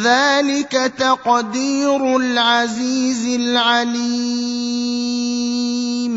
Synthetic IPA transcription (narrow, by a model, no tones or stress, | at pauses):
ðaːlɪkat̪ɑqd̪iːɾʊlʕaziːzɪlʕaliː | m